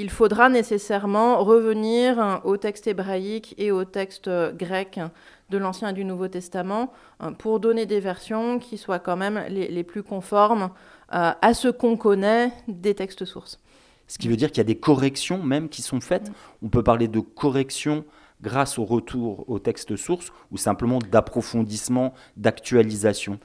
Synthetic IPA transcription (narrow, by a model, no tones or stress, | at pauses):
ilfod̪ʁanesesɛʁmɑ̃ʁəvəniʁot̪ɛkst̪ebʁaikeot̪ɛkst̪ɡʁɛk | d̪əlɑ̃sjɛ̃ed̪ynuvot̪ɛst̪amɑ̃ | pʰuʁd̪ɔned̪evɛʁsjɔ̃kʲʰiswakɑ̃mɛmleleplykɔ̃fɔʁm | øasəkɔ̃kɔnɛd̪et̪ɛkst̪əsuʁs | sə̥kʲivød̪iʁkiljad̪ekɔʁɛksjɔ̃mɛmkʲisɔ̃fɛt̪ɔ̃pøpaʁled̪əkʰɔʁɛksjɔ̃ | ɡʁasoʁət̪ʰuʁot̪ɛkst̪əsuʁs | usɛ̃pləmɑ̃d̪apχɔfɔ̃d̪ismɑ̃ | d̪akt̪ɥalizasjɔ̃